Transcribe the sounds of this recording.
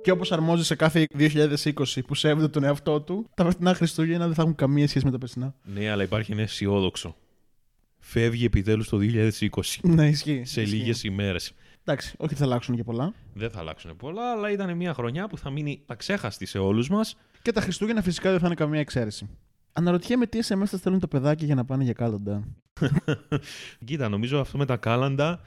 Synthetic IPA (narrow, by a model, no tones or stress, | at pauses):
ceo̞po̞sɐɾmo̞zse̞kɐθeðioçiʎɐðe̞siko̞sipusevd̪et̪o̞neɐft̪o̞t̪ut̪ɐvɾet̪inɐxɾist̪uʝenɐðeθɐxuŋkɐmiɐsçe̞s̬ime̞t̪ɐpesinɐne̞ɐlɐipɐɾçienesio̞ðo̞kso̞̰ | fe̞vʝie̞pit̪e̞lust̪oðioçiʎɐðesiko̞si̥neisçiseliʝe̞sime̞ɾe̞snd̪ɐksi̥o̞çiðeθɐlɐksunece̞po̞lɐðeθɐ̰lɐ̰ksunepo̞lɐːlɐit̪ɐne̞miɐxɾo̞ɲɐpuθɐminit̪ɐkse̞xɐst̪ise̞o̞luzmɐs | ce̞t̪ɐxɾist̪uʝenɐfisi̥kɐðeθɐnekɐmɲɐekse̞ɾesi | ɐnɐɾo̞t̪içemet̪iesemesɐst̪e̞lunt̪ɐpe̞ðɐcɐʝɐnɐpɐneʝɐkɐlɐnd̪ɐ | cit̪ɐno̞mizoɐft̪o̞me̞t̪ɐkɐlɐnd̪ɐ